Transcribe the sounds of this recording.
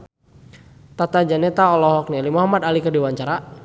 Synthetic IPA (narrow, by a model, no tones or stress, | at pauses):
t̪at̪ad͡ʒanɛt̪aɔlɔɦɔk̚nilimɔɦamad̪alikədiwaɲt͡ʃaɾa